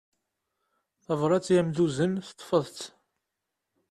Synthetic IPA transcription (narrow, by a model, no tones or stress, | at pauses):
θævɾˤɑt͡sːjæmd̪uzənθt̪ˤːfəðˤt͡s̪